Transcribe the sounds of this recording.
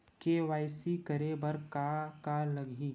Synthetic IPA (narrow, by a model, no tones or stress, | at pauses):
keʋaːɪsikəɾebəɾkakalɐɡʱiː